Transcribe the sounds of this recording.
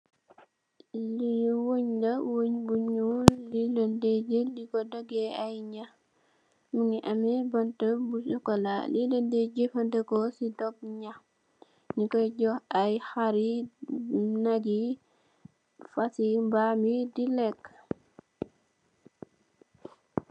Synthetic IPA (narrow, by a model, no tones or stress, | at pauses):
liwoɲdɐwoɲbuɲuliləndeɟelikɔdɔɡɛajɲa | muŋiʔɐmɛbɐntəbusukɔla̰liləndeɟefɐndəkɔsidɔb̚ɲa | nikɔɟɔhajxaɾi | naɡi | fasimbaːmidilɛkː